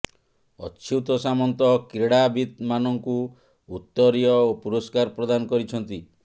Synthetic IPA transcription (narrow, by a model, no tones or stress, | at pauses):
ɔt͡ʃʰit̪ɔsamɔnt̪ɔkɾeɽabit̪manɔŋku | ut̪ːɔɾijɔopuɾɔskaɾpɾɔd̪anɔkɔɾit͡ʃʰɔnt̪i